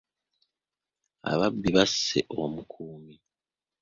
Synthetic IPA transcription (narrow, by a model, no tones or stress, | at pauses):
a̰βabːiβasːḛʔomukʰuːmi